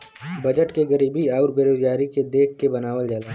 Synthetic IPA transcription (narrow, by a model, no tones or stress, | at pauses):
bɐd͡ʒəʈkeɡɐɾiːbiaːʊɾbeːɾoːd͡ʒɡaːɾiked̪eːkʰkebɐnaːʋəld͡ʒala